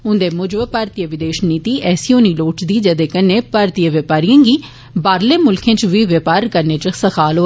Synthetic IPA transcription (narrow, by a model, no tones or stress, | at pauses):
ɦʊ̃nd̪eːmʊd͡ʒbpaːɾt̪ijəʋɪd̪eːʃniːt̪iːʔɛːsijõːniːloːʈd̪iːd͡ʒəd̪eːkənːeːpaːɾt̪ijəʋəpaːɾijãːŋɡiː | baːɾleːmʊlkʰẽːt͡ʃʋiːʋəpaːɾkəɾnẽːt͡ʃəsəkʰaːloː